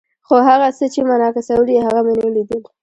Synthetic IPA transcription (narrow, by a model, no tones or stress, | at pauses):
xoɦaɣasət͡ʃemanɑkasawliɦaɣamenelid̪əl